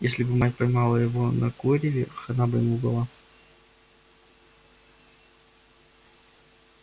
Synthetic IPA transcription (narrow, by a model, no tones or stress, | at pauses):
jesʲlʲɪbɨmatʲpɐjmɑlˠəjɪvonɐkoɾʲɪvʲɪxɐnabɨɪmubɨlˠa